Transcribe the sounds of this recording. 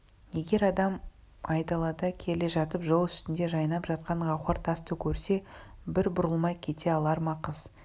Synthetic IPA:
je̞ɡʲe̞ɾɑd̪ɑm | ɑjt̪ɑlˠɑd̪əkʲʰe̞le̞ʒɑt̪əpʒo̞lˠʏst̪ɪnd̪e̞ʒɑjnɑpʒɑt̪qɑɴʁɑχɑɾt̪ʰɑst̪əkʲʰɵɾse̞ | bɪɾbʊɾəlˠmɑjkʲʰe̞t̪e̞ɑlˠɑɾmɑqəz̥

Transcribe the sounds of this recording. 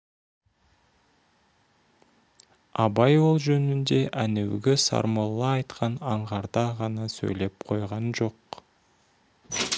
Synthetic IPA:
ɑbɑjo̞lˠʒønynd̪e̞ʔænewɡʲesɑ̰ɾmolˠːɑːjt̪qʰɑnɑɴʁɑɾd̪ɑʁɑnɑsø̰jle̞p̚qʰo̞jʁɑnʒo̞q̚

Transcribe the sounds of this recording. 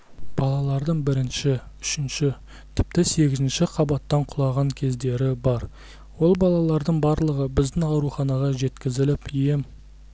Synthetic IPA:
b̥ɑlˠɑlˠɑɾd̪əɴbɪɾɪnʃɪʏʃɪnʃɪ | t̪ʰɪ̥p̚t̪ɪse̞ɡʲɪzɪnʃɪqʰɑbɑt̪ːɑɴqʰʊlˠɑʁɑŋkʲʰe̞zd̪e̞ɾɪbɑɾ | wo̞lˠbɑlˠɑlˠɑɾd̪əɴbɑɾlˠəʁəbɪzd̪ɪŋɑwɾuχɑnɑʁɑʒe̞t̪kʲɪzɪlɪpije̞m

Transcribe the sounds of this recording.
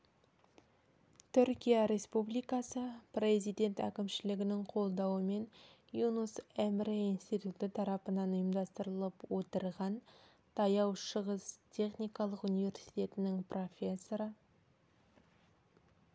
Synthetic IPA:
t̪ʰʏɾkʲijaɾe̞spublijkɑsəpre̞zijd̪e̞nt̪æ̰kʲɪmʃɪlɪɡʲɪnɪŋqʰo̞lˠd̪ɑwəme̞n | junusemreijnst̪it̪ut̪ɪt̪ʰɑɾɑpənɑnʊjəmd̪ɑst̪əɾəlˠəpwo̞t̪əɾʁɑn | t̪ʰɑjɑwʃəʁəst̪ʲʰe̞χnijkɑlˠəqunijvʲe̞ɾsi̥t̪ʲe̞t̪ɪnɪŋpro̞fʲe̞sːo̞ɾə

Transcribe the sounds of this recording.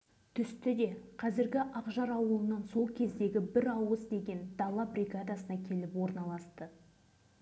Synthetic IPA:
t̪ʰʏst̪ɪd̪e̞qʰɑzɪɾɡʲɪʔɑqʒɑɾɑwəlˠənɑnso̞lˠkʲʰe̞zd̪e̞ɡʲɪbɪɾɑwəzd̪e̞ɡʲe̞nd̪̥ɑlˠːɑbɾʲiɡad̪asənɑkʲʰe̞lɪpwo̞ɾnɑlˠɑst̪ə

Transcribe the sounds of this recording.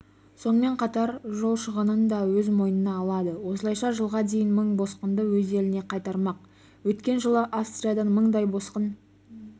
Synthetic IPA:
so̞nəme̞ɴqʰɑt̪ɑɾʒo̞lˠʃəʁənənd̪ɑwɵzmo̞jənənɑːlˠɑd̪əwo̞səlˠɑjʃɑʒəlˠʁɑd̪e̞jɪnməɴbo̞sqənd̪əwɵze̞lɪne̞qʰɑjt̪ɑɾmɑq̚ | wɵt̪kʲe̞nʒəlˠəʔafst̪ɾʲijad̪ɑnməɴd̪ɑjbo̞sqən

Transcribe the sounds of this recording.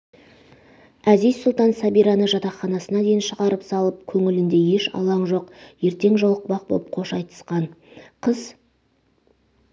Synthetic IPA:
æzijzsʊlˠt̪ɑnsæbijɾɑnəʒɑt̪ɑχɑnɑsənɑd̪e̞jɪnʃəʁɑɾəpsɑlˠəp̚kʲʰɵŋɪlɪnd̪e̞je̞ʃɑ̰lˠɑɴʒo̞qje̞ɾt̪e̞ŋʒolˠəq̚bɑq̚bo̰lˠəp̚qʰo̞ʃɑjt̪ə̥sqɑnqʰəz

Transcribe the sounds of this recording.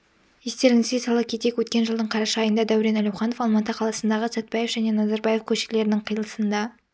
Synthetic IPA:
jest̪e̞ɾɪŋɪzɡ̪ʲesɑlˠəkʲʰet̪ekʲwɵt̪kʲe̞nʒəlˠd̪əɴqʰɑɾɑʃɑːjənd̪ɑd̪æwɾe̞nælʲæwχɑno̞fɑlˠmɑt̪əqʰɑlˠɑsənd̪ɑʁəsæt̪̚pɑje̞fʒæne̞nɑzɑɾbɑje̞fkʲʰɵʃɪ̥kle̞ɾɪnɪŋqʰəjlˠəsənd̪ɑ

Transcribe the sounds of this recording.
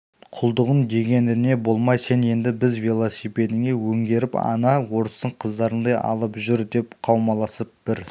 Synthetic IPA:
qʰʊlˠd̪əʁənd̪e̞ɡʲe̞nd̪ɪne̞bo̞lˠmɑjse̞ne̞nd̪ɪbɪzvilˠosipe̞d̪ɪŋe̞wɵŋɡʲe̞ɾɪpɑ̰nɑwo̞ɾəst̪əɴqʰəzd̪ɑɾənd̪ɑjɑ̰lˠəpʒʏɾd̪e̞pqʰɑwmɑlˠɑsəp̚b̥ɪɾ

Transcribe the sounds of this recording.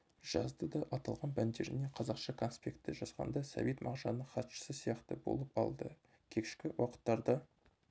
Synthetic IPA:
ʒ̥ɑzd̪əd̪ɑʔɑt̪ɑlˠʁɑnbænd̪e̞ɾɪ̰ne̞qʰɑzɑqʃɑkʰo̞nspʲe̞kt̪ːɪʒɑsqɑ̰nd̪ɑsɑ̰vet̪mʔɑʁʒɑnːəɴχɑt̪ʃə̥səsijɑqt̪əbo̞̰lˠəpɑ̰lˠd̪ə | kʲʰe̞kʲɪ̥ʃkʲɪwɑqə̥t̪ːɑɾd̪ɑ

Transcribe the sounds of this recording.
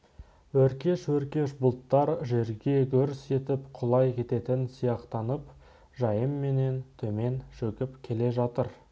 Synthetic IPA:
wɵɾkʲe̞ʃwɵɾkʲe̞ʃbʊlˠt̪ːɑɾʒe̞ɾɡʲe̞kʲʰɵɾse̞t̪ɪpqʰʊlˠɑjkʲʰe̞t̪e̞t̪ɪnsijɑqt̪ɑnəp | ʒɑjəmːe̞ne̞nt̪ʰɵme̞nʃɵkʲɪpkʲʰe̞le̞ʒɑt̪əɾ

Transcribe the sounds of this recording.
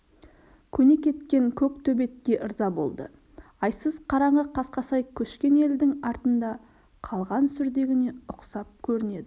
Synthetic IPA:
kʲʰɵne̞kʲe̞t̪kʲe̞ŋkʲʰɵk̚t̪ʰɵbe̞t̪̚kʲe̞ʔəɾzɑbo̞̰lˠd̪ə̰ | ɑjsəzqʰɑɾɑɴʁəqʰɑsqɑsɑjkʲʰɵʃkʲe̞ne̞ld̪ɪŋɑɾt̪ənd̪ɑ | qʰɑlˠʁɑnsʏɾd̪e̞ɡʲɪne̞ʊqsɑp̚kʲʰɵɾɪne̞d̪ɪ

